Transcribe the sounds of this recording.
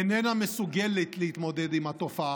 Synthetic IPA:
nɛnamesuɡɛlɛt̪lehit̪mo̞d̪ɛd̪imhat̪ofaʔa

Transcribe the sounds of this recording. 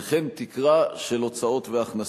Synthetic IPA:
χent̪ikʁaʃe̞lo̞t͡sao̞t̪veaχna

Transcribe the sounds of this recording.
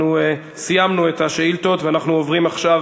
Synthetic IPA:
u | sijamnue̞t̪haʃeilt̪o̞t̪veanaχnuovʁimaχʃav

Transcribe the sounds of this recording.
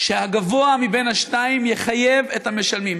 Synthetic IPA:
ʃehaɡavo̞amibe̞nhaʃtaimjeχaje̞vethameʃalmim

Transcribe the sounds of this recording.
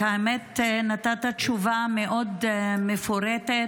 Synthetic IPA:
aemet̪nat̪at̪at͡ʃuvameʔod̪mefoɾet̪e

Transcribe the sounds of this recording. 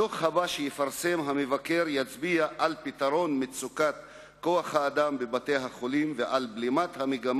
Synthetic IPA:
toχhabaʃejefaʁsemɦamevake̞ɾjat͡sbiaʔalpit̪aʁo̞nmet͡sukat̪ | ko̞aχhaːd̪ambebat̪e̞jɦaχolimveʔalblimat̪hameɡam

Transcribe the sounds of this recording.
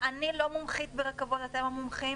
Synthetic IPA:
ʔanilo̞mumχit̪̚beʁekavo̞t̪at̪emamumχi

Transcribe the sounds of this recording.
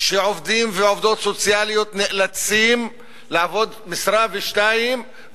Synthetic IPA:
ʃeʕovd̪imveʕo̞vd̪o̞t̪sot͡sjalijo̞t̪neʔlat͡sim | laavo̞d̪misɾaveʃtaim

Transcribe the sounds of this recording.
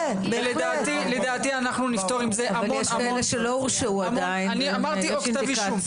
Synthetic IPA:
bled̪aːt̪iled̪aːt̪ianaχnunift̪oʁimzeaavaljeʃkaeleʃelouʁʃeuadainaniamaʁioʃint̪aiviʃa

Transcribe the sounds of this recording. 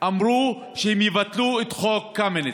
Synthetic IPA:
ʔamʁu | ʃehemjevat̪luet̪χokːamene

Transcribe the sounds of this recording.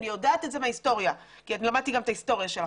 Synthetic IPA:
nijodaːt̪etzemeaist̪o̞ʁja | kiatnilamad̪̚t̪iɡametahist̪o̞ʁjaʃel

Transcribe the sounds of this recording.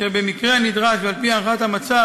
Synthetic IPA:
ebe̞mikʁe̞anid̪ʁaʃvealpianχat̪hamat͡sa

